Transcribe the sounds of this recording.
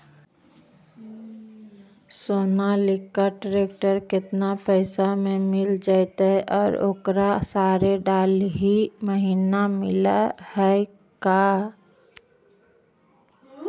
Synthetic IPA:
soːnalɪkːaʈɾek̚ʈəɾkɪt̪napəɪsamẽmɪld͡ʒaɪt̪əʔɔːɾo̰ːkɾasaɾeɖalɦiməɦiːnamɪlahə | ka

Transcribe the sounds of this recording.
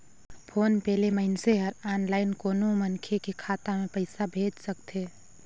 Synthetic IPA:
pʰoːnpɛːleməɪnseɦəɾaːnlaːɪnkoːnomənkʰekikʰaːt̪amẽpəɪsabʱeːd͡ʒsək̚t̪eː

